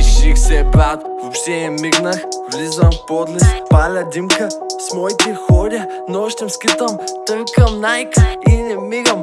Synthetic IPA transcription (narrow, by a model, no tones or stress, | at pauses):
iʃixsɛbɾat̪vopʃt̪ɛɛmiɡnɐxvlizɐmpɔd̪list̪palʲɐd̪imkɐsmɔit̪ɛxɔɾʲɐ | nɔʃt̪ɛmskit̪ɐmt̪əŋkɐnajkinɛmiɡɐm